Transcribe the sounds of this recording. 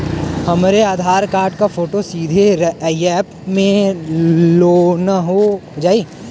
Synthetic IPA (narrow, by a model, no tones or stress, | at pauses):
hɐmɾeaːd̪ʱaːɾkaːɾɖkafʰoːʈosiːd̪ʱeɛːpmẽ | loːnaɦod͡ʒaːiː